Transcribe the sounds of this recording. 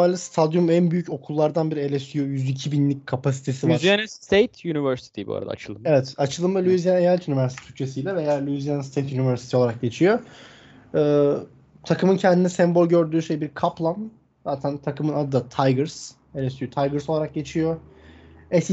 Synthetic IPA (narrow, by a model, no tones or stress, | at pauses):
alʲist̪ʰad̪jumænbyjyco̞kʰulˠːaɾd̪anbiɾelʲest̪yjujyzicʰibinlʲicʲkʰapʰas̬i̥t̪ʰe̞sivɾzjanst̪ʰejt̪ʰjunivɛɾsi̥t̪ʰibṵa̰ɾ̰a̰d̪a̰ːt͡ʃʰɯlˠɯmevɛt̪at͡ʃʰɯlˠɯmalʲuizijanejalʲt̪ynivæɾst̪ʰi̥t̪ʰy̥c̚t͡ʃʰe̞sijlʲɛve̞jaːlʲuizijanst̪ʰejt̪ynivæɾsi̥t̪ʰioaɾak̚ɟe̞t͡ʃʰijo̞ | ɯː | t̪ʰakɯmɯncʰɛnd̪inɛsɛmbo̞lʲɟø̞ɾd̪yːʃe̞jbiɾkʰaplˠan | zaːt̪ʰænt̪ʰakɯmɯnad̪ɯd̪at̪ʰajɡɯɾs | elʲɛsyjot̪ʰajɡɯɾso̞lˠaɾak̚ɟe̞t͡ʃʰijo | ɛs